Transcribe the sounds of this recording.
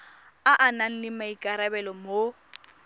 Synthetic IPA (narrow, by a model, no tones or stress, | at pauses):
aʔanan̩lɪmaikʼaɾabɛlɔmo